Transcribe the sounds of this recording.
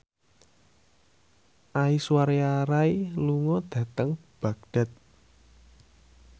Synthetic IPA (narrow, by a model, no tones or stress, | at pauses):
ʔaiswaɾjaɾailuŋɔd̪̥ä̤t̪əŋb̥a̤ɡ̚d̥a̤t̪̚